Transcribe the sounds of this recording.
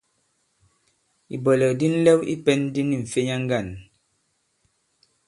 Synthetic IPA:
ḭ˨bɔ˨lɛ˨kdi˦n̩˦lɛ˦wḭ˦pɛ˦n˦di˦ni˨ɱ̩˨fe˦ɲa˦ŋ̩˦ɡa˦˨n

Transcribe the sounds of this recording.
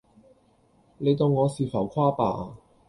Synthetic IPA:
le˨˧jt̪o˨wŋɔː˨˧siː˨˩fɐ˨˩wkʰaː˥pa̰ː˨˧

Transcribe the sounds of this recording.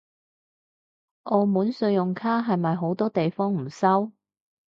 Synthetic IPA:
ʔo˧muː˨˥nsɵ˧ɥjʊ˨˩ŋkʰaː˥ɦɐ˨jmɐ˨jɦo˨˥wt̪ɔː˥t̪e˨jfɔː˥ŋm̩˨˩sɐ˥w

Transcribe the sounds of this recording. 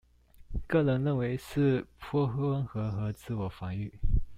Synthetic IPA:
kɤ˥˩lə˧˥nɻə˥˩nwe˧˥ɪʂɻ̩˥˩pʰwɔ˥xɤ˥wə˥nxɤ˧˥xɤ˧˥t͡sɹ̩˥˩wɔ˨˩fɑ˧˥ŋy˥˩

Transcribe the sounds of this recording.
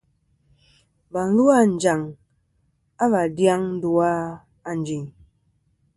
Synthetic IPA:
ba˨˦lu˦a˦˨n̩˨d͡ʒa˨ŋ | a˦ba˨dja˦ŋn̩˦du˨a˦ | a˨n˨˦d͡ʒi˨ŋ

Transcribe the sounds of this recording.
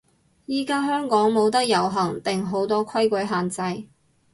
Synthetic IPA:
jiː˥kaː˥ɦœː˥ŋkɔː˨˥ŋmo˨˧wt̪̬ɐ˥k̚jɐ˨˩wɦɐ˨˩ŋt̪ɪ˨ŋɦo˨˥wt̪ɔː˥kʰɐ˥jkʷɵ˨˥jɦaː˨nt͡sɐ˧j

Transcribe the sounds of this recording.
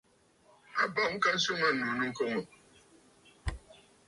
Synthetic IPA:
a˨ba˦˨ŋ̩˦ka˦n̩˦so˦ŋ˦a˦n̩˨nu˨nu˦ŋ̩˦kɔ˦ŋo˨

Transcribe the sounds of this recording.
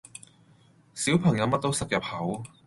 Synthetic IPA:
siː˨˥wpʰɐ˨˩ŋjɐ˨˧wmɐ˥t̚t̪o˥wsɐ˨p̚jɐ˨p̚hɐ˨˥w

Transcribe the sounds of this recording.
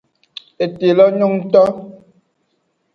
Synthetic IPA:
e˨te˨lɔ˦ɲu˦ŋ˦tɔ˦

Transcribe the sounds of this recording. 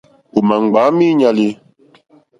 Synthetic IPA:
u˨ma˨ŋ˨ɡ͡ba˨˦mi˦ɲa˧li˦

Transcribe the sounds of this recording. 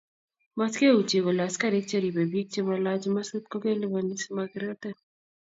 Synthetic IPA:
ma˦ske˦u˨t͡ʃe˨ko˨la˨ska˦˨ɾe˦k̚t͡ʃɛ˦ɾi˨be˨bi˦k̚t͡ʃe˦ma˨la˦d͡ʒma˦su˦t̪̚kɔ˦ke˦lɪ˦ba˨ni˦sma˧ɡɪ˨ɾɛ˦t̪ɛ˦˨n

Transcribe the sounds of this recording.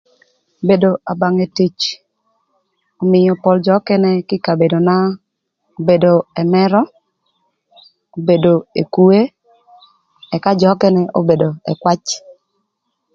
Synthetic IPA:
be˨do˨a˨ba˨ŋe˨ti˨t͡ʃ | o˨mɪ˨jɔ˨pɔ˨ld͡ʒɔ˨˦kɛ˦nɛ˦kɪ˦ka˨be˨do˨na˦ | o˦be˨do˨ɛ˨mɛ˦ɾɔ˦ | o˨be˨do˨e˨ku˦e˦ | ɛ˨ka˦d͡ʒɔ˨˦kɛ˦nɛ˦ʔo˦be˨do˨ɛ˨kwa˦t͡ʃ

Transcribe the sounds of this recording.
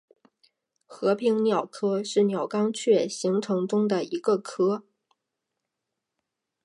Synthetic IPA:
xɤ˧˥pʰi˧˥ŋnjɑ˨˩ʊkʰɤ˥ʂɻ̩˥˩njɑ˨˩ʊkɑ˥ŋt͡ɕʰɥɛ˥˩ɕi˧˥ŋʈ͡ʂʰɤ˧˥ŋʈ͡ʂʊ˥ŋd̪ə˨i˧˥ɡə˥˧kʰɤ˥

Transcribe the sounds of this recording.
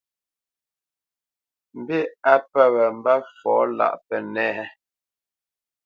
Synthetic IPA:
m̩˨bi˦a˦pɛ˦wɛ˨m̩˦ba˦fɔː˨˦la̰˨ʔpɛ˨nɛ˦ɛ˦

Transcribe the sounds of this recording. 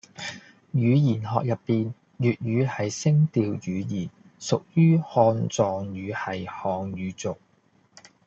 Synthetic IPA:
jyː˨˧jiː˨˩nɦɔː˨k̚jɐ˨pːiː˨n | jyː˨t̚jyː˨˧hɐ˨jsɪ˥ŋt̪iː˧wjyː˨˧jiː˨˩n | sʊ˨k̚jyː˥hɔː˧nt͡sɔː˨ŋjyː˨˧hɐ˨jhɔː˨ŋjyː˨˧t͡sʊ˨k̚

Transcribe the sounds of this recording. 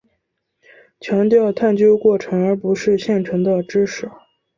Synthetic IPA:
t͡ɕʰjɑ˧˥ŋt̪jɑ˥˧ʊt̪ʰa˥˩nt͡ɕjo˥kwɔ˥˩ʈ͡ʂʰɤ˧˥ŋə˞˧˥pu˧˥ʂɻ̩˥˧ɕjɛ˥˩nt͡ɕʰɛ˧˥nd̪ə˧ʈ͡ʂɻ̩˥ʂɻ̩˨˩˦

